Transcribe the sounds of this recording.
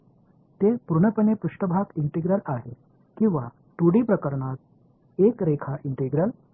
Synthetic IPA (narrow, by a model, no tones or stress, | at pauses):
t̪epuɾɳəpənepɾuʂʈəbʱakiɳʈiɡɾəlaɦe | kĩw̃ʋa̰ | t̪uɽipɾəkəɾɳat̪ | ekɾekʰaʔiɳʈiɡɾəl